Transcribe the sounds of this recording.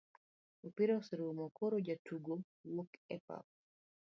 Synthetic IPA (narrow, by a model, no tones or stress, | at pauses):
upiɾoseɾuumɔkoɾod͡ʒatuɡo | wokɛpa̰p̚